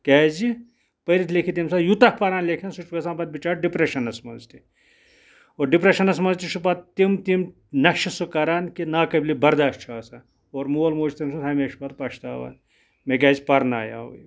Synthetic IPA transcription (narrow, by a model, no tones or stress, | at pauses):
kɛːzi | pɐɾit̪ʰlekʰit̪̬imsaːjut̪ɐkpɐɾaːnlekʰɐnsut͡ʃʋɐsaːnpɐt̪̚bit͡ʃaːʈ̚ɖipɾeʃɐnɐsmɐnzt̪i | oːɖipɾeʃɐnɐsmɐnzʲt̪iʃupɐt̪t̪imt̪im | nɐʃɐsukɐɾaːnkinaːkɐbʲlibɐɾd̪aːʃʈt͡ʃʰaːsɐ | oːɾmuɐlmoːt͡ʃʰt̪ɐmsut̪ʰɐːmeʃu̥pɐt̪pɐʃt̪a̰ːʋɐ̰n | mekɛːzpɐɾna̰ːja̰ːṵj